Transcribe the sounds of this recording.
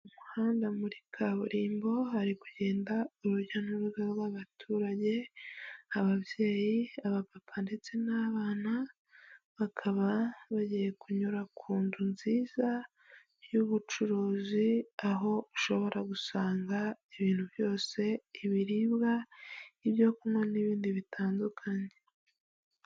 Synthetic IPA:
umuhaːndamuɾikʰaβuɾiːmbo̞haɾikuɟe̞ːndauɾuɾɟanuɾuɡaɾɡwaβatʰuːɾaɟe̞ | aβaβje̞ːjiaβapapʰande̞t͡se̞naːβaːna | βakʰaβaβaɟije̞kʰuɲuɾakʰuːndunziːza | juβut͡ʃuɾuːziaɦo̞uʃo̞βo̞ɾaɡusaːŋɡaiβiːnhuβjo̞ːse̞iβiɾibɡaiβjo̞kumŋwaniβiːndiβitʰaːndukʰaɲe

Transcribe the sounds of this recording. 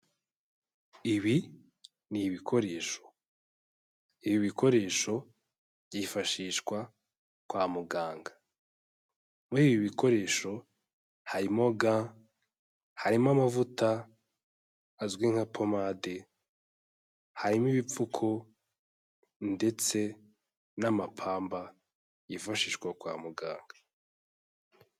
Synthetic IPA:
iβi | niβikʰo̞ɾe̞ːʃo̥ | iβiβikʰo̞ɾe̞ːʃo̞ | b̥ɟifaʃiːʃkwa | kwaːmuɡaːŋɡa | muiβiβiko̞ɾe̞ːʃo̞ | haɾimoɡa | haɾimamavutʰa | zɡwiŋ̥hapʰomaːde | haɾimiβip͡fukʰo | nde̞t͡se̞ | namapʰaːmba | jifaʃiːʃɡwakwa̰ːmuɡa̰ːŋɡḁ

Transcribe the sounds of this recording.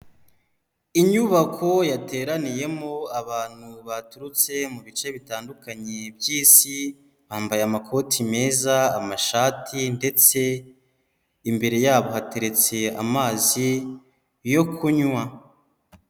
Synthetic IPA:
iɲuβakʰo̞jate̞ːɾanije̞mo̞aβaːn̥huβatuɾut͡se̞muβit͡ʃe̞βitaːndukaɲebjiːsi | βaːmbajeamakʰo̞ːtʰime̞ːzaːmaʃaːtʰinde̞t͡se̞ | imbe̞ɾe̞jaːβo̞hate̞ɾe̞t͡se̞a̰maːzi | jo̞kʰuɲwa

